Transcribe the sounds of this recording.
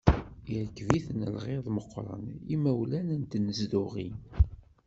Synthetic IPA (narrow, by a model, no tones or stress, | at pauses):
əɾkːviθənə̰lʁeðˤməqːɾˤə̰nimæwlænənt̪nəzdʊʁḭn